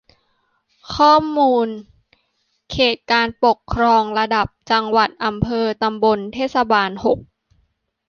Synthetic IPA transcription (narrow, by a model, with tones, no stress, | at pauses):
kʰɔː˥˩mːuː˧n | kʰeː˨˩t̪̚kaː˧npo˨˩kʰːɾɔː˧ŋɾa˧da˨˩p̚t͡ɕa˧ŋwa˨˩t̪̚ʔa˧mpʰɤː˧t̪a˧mbo˧nt̪ʰeː˥˩t̪̚sa˧baː˧nho˨˩k̚